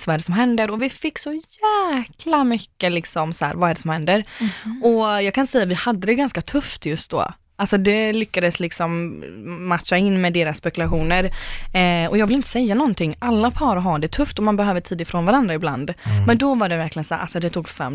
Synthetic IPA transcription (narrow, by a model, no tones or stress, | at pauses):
svaɛɖɛsɔmɦɛnd̪əɾɔvɪfɪkːsɔjæːkʰlamʏkːəlɪksɔmsæ̰ːɾvaɛɖɛsɔmhɛnd̪əɾɔjɑːɡkʰansɛjːavɪhad̪ːəd̪ɛɡanskat̪ʰɵft̪jɵst̪̚d̪o̰ː | ʔalsɔd̪ɛlʏkːad̪əslɪksɔmː | at̪ʂaɪnːmɛd̪eːɾasːpɛkʉlaɧuːnəɾ | ɔjɑːɡvɪlɪnt̪ə̥sɛjːanɔnt̪ɪŋːalːapʰɑːɾɔɦɑːd̪ɛt̪ʰɵft̪ɔmanbɛhøːvəʈʰiːd̪ɪfɾoːnvaɾand̪ɾaɪbla̰nd̪mɛnd̪ɔvaɖɛvæɾklɪɡənsæ̰ɾʔa̰lsɔd̪ɛt̪ʰuːɡfɛ̰m